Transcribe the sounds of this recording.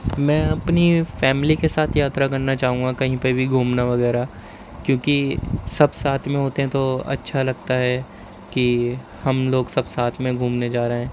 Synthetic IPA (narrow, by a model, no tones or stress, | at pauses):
mɛ̃ːɐpnifɛːmlikesaːt̪ʰjaːt̪ɾakɐɾnat͡ʃaːɦũŋɡakɐɦĩpebʱiɡʱuːmnaʋɐɡɛːɾa | kjõːkisɐbsaːt̪ʰmẽɦoːt̪eɦɛ̃t̪oɐ̰tːʃʰalɐɡ̚t̪aɦɛ | ki | hɐmloːɡsɐbsaːt̪ʰmẽɡʱuːmned͡ʒaːɾeɦɛ̃ː